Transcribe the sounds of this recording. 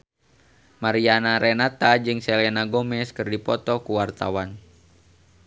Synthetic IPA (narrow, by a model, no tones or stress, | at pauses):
maɾianaɾɛnat̪ad͡ʒɨŋsɛlɛnaɡɔmɛskɨrdipɔt̪ɔkuwart̪a̰wan